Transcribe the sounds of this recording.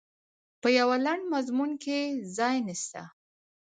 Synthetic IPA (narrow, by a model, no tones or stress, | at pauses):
pəjawalaɳɖmazmunkezɑjnist̪a̰